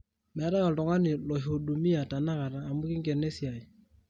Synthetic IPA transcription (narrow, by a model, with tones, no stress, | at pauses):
mɛ˨a˦ta˦ka˨ltɔ˨ŋa˦nɪ˨lɔ˨io˨du˨mi˦a˨ta˨na˦ka˨ɾaː˨mʊ˦kɪ˦ŋɡɛ˨ne˦si˨a˨ɪ˨